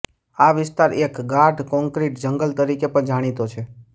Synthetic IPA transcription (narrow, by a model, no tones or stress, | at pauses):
aʋɪst̪aɾekɡaɾɖkɔ̃ŋkɾiʈd͡ʒəŋɡəlt̪əɾikepəɳd͡ʒaɽ̃it̪ot͡ʃʰe